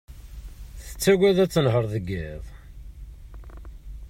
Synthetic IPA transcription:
θə̥t͡sːæwæðæt͡sːənɦəɾˤðəɡːɪðˤ

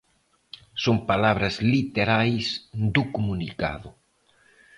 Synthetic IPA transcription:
soŋpalaβ̞ɾɐzlit̪eɾajsd̪ukomunika̰ðʊ

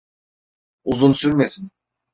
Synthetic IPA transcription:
uzunsyɾmesin

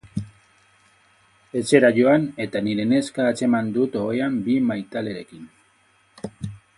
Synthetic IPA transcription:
e̞t͡se̞ɾaʝo̞ane̞t̪aniɾe̞ne̞skaːt͡se̞mand̪ut̪o̞ɣeambimajt̪ale̞ɾe̞kin

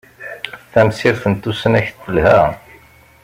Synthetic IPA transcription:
θæmsiɾθənt̪ːusənæçt̪ːəlhæ

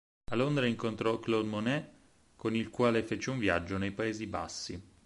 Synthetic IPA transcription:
alond̪ɾaiŋkont̪ɾɔklod̪monɛ | konilkwaːlefeːt͡ʃeuɱvja̰d͡ʒːonejpaeːziba̰sːi

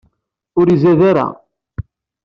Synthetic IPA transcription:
ʊɾizæðaɾa̰

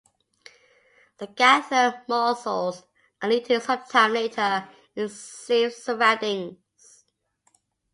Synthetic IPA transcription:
ðəɡ̥æsəmɔsəlˠz | ə̃nlitʰɪ̃sʌt͡ʃtʰãneɪtʰə | ɪ̃nisəɹɛdɪ̃ŋ | z̥

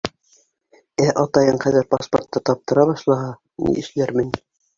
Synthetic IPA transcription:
æʔɑt̪ɑjɤɴχæðɘɾpaspo̰rt̪ːɤt̪ɑp̚t̪ɤ̆ɾɑbɑʃlˠɑɦɑ | nḭɘ̆ʃlæɾmɘn

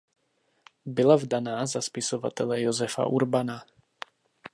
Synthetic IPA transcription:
bɪlavdanaːzaspɪsovat̪ɛlɛjozɛfa̰ʔuɾbana

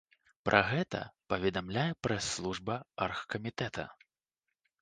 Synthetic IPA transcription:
pɾʔɐɣɛt̪ɐ̰pɐvʲɛd̪amlʲajɛpɾɛsːlˠuʐbɐarxkɐmʲit̪ɛt̪ɐ̰

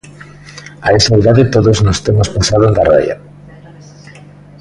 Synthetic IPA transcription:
aesaiðaðet̪oðoznost̪emospasaðoeŋɡ̪arḛja̰

